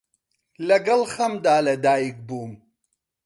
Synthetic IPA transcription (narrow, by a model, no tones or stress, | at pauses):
lɐɡɐlxɐmd̪aːlɐd̪aːik̚buːm